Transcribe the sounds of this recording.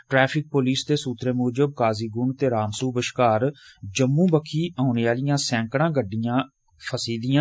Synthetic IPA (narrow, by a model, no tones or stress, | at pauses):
ʈɾɛːpʰɪk̚poːliːst̪eːsuːt̪ɾeːmuːd͡ʒəb̚kaːziːɡʊɳt̪eːɾaːmsuːbəʃkaːɾd͡ʒəmːũːbəkʰiːʔaːneːaːlɪjãːsɛ̃ːŋkɽãːɡəɖːɪjãː | pʰəsiːd̪ɪjãː